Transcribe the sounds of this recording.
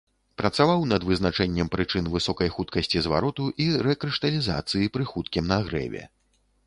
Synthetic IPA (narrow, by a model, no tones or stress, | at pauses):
pɾɐt̪savawnɐd̪vɨzn̪at͡ʂɛnʲːɛmpɾɨt͡ʂɨnvɨsɔkɐjxut̪̚kɐsʲt͡sʲizva̰ɾɔt̪uʔiɾɛkɾɨʂt̪ɐlʲiza̰t̪sɨjipɾɨxut̪̚kʲimnɐɣɾɛ̰vʲɛ̰